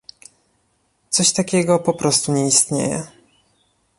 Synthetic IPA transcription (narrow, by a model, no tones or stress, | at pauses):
t̪sɔɕt̪akʲɛɡɔpɔpɾɔst̪uɲɛist̪ɲḛjɛ̰